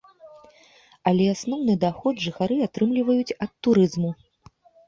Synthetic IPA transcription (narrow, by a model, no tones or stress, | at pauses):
ɐlʲɛasnɔwnɨd̪axɔd̪ʐɨxaɾɨat̪ɾɨmlʲivɐjut͡sʲɐt̪ːuɾɨzmu